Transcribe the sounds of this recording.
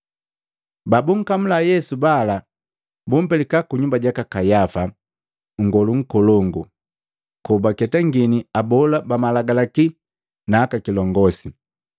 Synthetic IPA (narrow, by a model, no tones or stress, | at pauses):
babuŋ̩kam̩lajɛsubala | bum̩pɛlikakuɲumbaɟakakajafa | ŋ̩ɡɔluŋ̩kɔlɔŋɡu | kɔbakɛtaŋɡiniabɔlabamalaɡalaki | naːkakilɔŋɡɔsi